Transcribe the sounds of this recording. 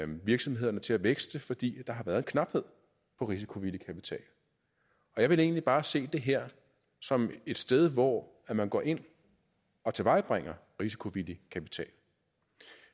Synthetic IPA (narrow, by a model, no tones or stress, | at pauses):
ʋiɐɡ̥sɒ̽mɦe̝ð̰ˠɐnət͡sʰe̝læʋeɡ̥sd̥əfɒ̽d̥ḭːd̥ɑ̈ɦɑ̈ʋæːɐð̞̩ˠenŋkʰnɑ̈b̥he̝ð̞̰ˠ | pʰɒ̽ʁis̬i̥kʰo̝ʋilikʰæpit͡sʰɛ̰ːl | ɒ̽jɑ̈ɪʋe̝le̝̰ːnlib̥ɑ̈ːse̝̰ːd̥e̝ɦeɐ̰ | sɒ̽me̝d̥sd̥eð̞ˠʋɒ | æmænɡ̥ɒ̰ːʔe̝n̰ | ɒ̽t͡sʰe̝ʋɑ̈ɪb̥ʁeŋ̰ɐʁisi̥kʰo̝ʋilikʰæpi̥t͡sʰɛ̰ːl